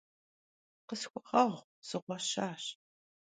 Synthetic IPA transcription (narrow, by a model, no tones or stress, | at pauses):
qəsxʷʊʁɐʁʷ | z̥ɨʁʷɔɕaːɕ